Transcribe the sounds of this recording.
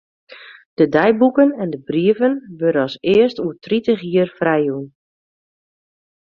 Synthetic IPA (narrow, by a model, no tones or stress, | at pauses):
d̥ədɛjbukənɛndəbriəvənʋøɾənɔsɪəstuətritəxiərfrɛjun